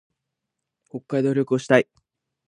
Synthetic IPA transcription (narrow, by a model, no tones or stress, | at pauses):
ko̞kːaid̪o̞ːɾʲo̞kɯ̟oɕi̥t̪ai